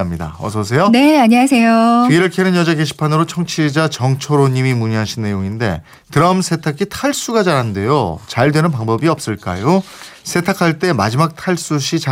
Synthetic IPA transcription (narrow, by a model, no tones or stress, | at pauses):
mɲida̰ʌ̰sʰʌs̬ʰe̞joneaɲas̬ʰejot͡ɕiɾɯɭkʰeɾɯnjʌd͡ʑaɡeɕ̬ʰi̥pʰanɯɾot͡ɕʰʌŋt͡ɕʰiɭd͡ʑat͡ɕʌŋt͡ɕʰoɾoɲimimuɲiɦaɕʰinːe̞joŋinde̞̰ | tɯɾʌmsʰe̞tʰakʰitʰaɭs͈uɡat͡ɕaɾɦande̞jo̰t͡ɕaɭdwe̞nɯnp̬aŋbʌbiʌp̚s͈ɯɭk͈a̰josʰe̞tʰakʰaɭt͈e̞ma̰d͡ʑimak̚tʰaɭs͈uɕʰit͡ɕa